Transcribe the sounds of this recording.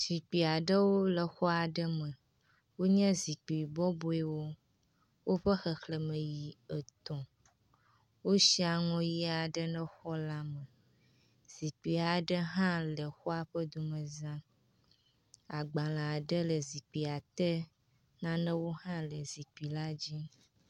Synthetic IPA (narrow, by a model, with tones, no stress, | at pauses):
z̥i˨k͡pi˨a˨ɖə˦wo˦lə˨xɔ˦a˨ɖə˦mə˨ | wo˦ɲɛ̃˦zi˨k͡pi˨bɔ˦bo˨e˨wo˦ | wo˦ɸə˦xə˨xlə˨mə̃˨ji˨ə˨t̪ɔ̃˨ | wo˦ʃi˦a˨ŋɔ̃˦ji˦a˨ɖə˦nə̃˦xɔ˦la˦mə̃˨ | z̥i˨k͡pi˨a˨ɖə˦ɦã˦lə˨xɔ˦a˨ɸə˦d̪u˨mə˨zã˦ | a˨ɡ͡ba˨lã˨ɖə˦lə˨zi˨k͡pi˨a˨t̪ə˦ | nã˦nə̃˦wo˦ɦã˦lə˨zi˨k͡pi˨la˦d͡ʑi˦